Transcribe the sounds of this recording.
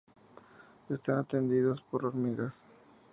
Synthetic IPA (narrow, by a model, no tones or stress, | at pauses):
est̪anat̪end̪iðospo̞ɾoɾmiɣas